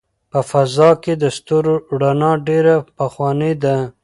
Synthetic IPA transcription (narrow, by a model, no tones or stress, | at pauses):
pəfazɑked̪əst̪oɾoɽanɑɖeɾapəxwɑned̪a